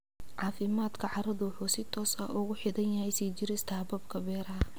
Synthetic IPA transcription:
ʕɑːfɪmaːd̪kʰɐʕɑɾɐðʊwʊħuːsɪt̪ʰɔːsɐ̰ʊɣʊħɪðɐnjɐhɛjsiːt͡ʃɪɾɪst̪ʰɐbɐbkʰɐbɛːɾɐɦɐ

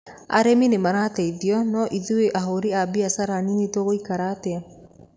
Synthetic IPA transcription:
a̰ɾɛminemaɾatɛiðiɔnɔʔiðueʔaɦoɾiabiasaɾaninitoɣoikaɾatɛ

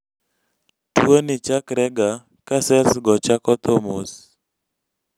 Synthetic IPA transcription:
twonit͡ʃakɾɛɡa | kasɛlsɡɔt͡ʃakɔt̪ɔmos

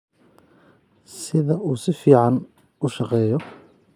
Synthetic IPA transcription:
sɪðɐʔuːsɪfiːʕɑn | ʊʃɑqɛːjɔ

